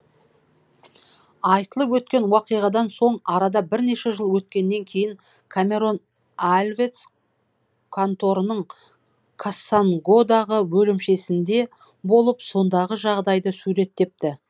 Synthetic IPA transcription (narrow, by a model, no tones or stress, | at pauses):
ɑjt̪əlˠəpwɵt̪kʲe̞nwɑqijʁɑd̪ɑnso̞ɴɑɾɑd̪ɑbɪɾne̞ʃe̞ʒəlˠwɵt̪̚kʲe̞nːe̞ŋkʲʰe̞jɪŋ | kʰamʲe̞ɾo̞n | alʲvet̪s | kʰant̪o̞ɾənəɴ | kʰasaŋɡo̞d̪ɑʁəwɵlɪmʃe̞sɪnd̪e̞ | bo̞lˠəpso̞nd̪ɑʁəʒɑʁd̪ɑjd̪əsuɾe̞t̪ːe̞p̚t̪ɪ